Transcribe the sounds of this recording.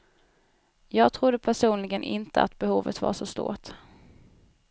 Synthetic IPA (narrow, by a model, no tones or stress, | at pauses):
jɑːɡ̚t̪ʰɾʊd̪ːəpʰæʂuːnlɪɡənʔɪnt̪əa̰t̪bɛhuːvə̰t̪va̰ʂɔst̪ṵːʈ̪